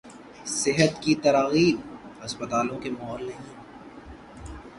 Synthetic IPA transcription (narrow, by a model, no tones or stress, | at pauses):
sɪɦət̪kit̪ɐɾaːɣiːbɐspət̪aːlõkemɐɔːlnɐɦĩ